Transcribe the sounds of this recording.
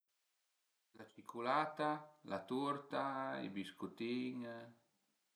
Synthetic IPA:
lat͡ʃikʰulat̪alʔat̪uɾt̪aḭbiskut̪iŋ

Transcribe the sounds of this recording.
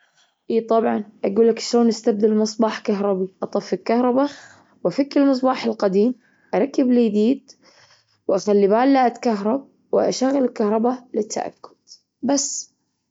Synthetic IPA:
ʔiːt̪ˤɑbʕɑnʔaɡuːlːakʃloːnʔɪst̪ab̚d̪ɪlmɨsˤbɑːħkaɦɾˤɑbiʔɑt̪ˤɑfːɪlkahɾˤɑba | wʔafɪkːɪlmɨs̬ˤbɑːħɪlqad̪iːm | ʔaɾˤɑkːɪbliːd̪iːd̪ | wʔaxalːibaːlːaːʔat̪kaɦɾˤɑb̚ | wɪʔaʃaɣːalɪlkahɾˤɑbalɪt̪ːa̰ʔa̰kːʊ̥d̪̥ | basː

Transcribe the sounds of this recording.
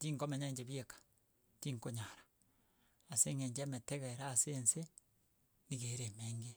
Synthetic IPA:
tiːŋkomeɲaɲd͡ʒeβjekḁ | tiŋkoɲaɾḁ | aseŋeɲd͡ʒemetɛɣeɾaːsense | niɣeɾemeːŋɡe

